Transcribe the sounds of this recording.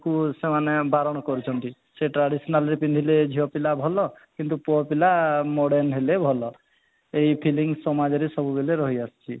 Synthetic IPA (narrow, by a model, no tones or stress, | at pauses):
kusemanebaɾɔɽ̃ɔkɔɾit͡ʃʰɔnt̪i | seʈɾaɽisɔnalɾepind̪ʱiled͡ʒʱiɔpilabʱɔlɔkint̪upɔpilamɔɽenɦelebʱɔlɔ | ejpʰiliŋsɔmad͡ʒɔɾesɔbubeleɾɔɦiast͡ʃʰi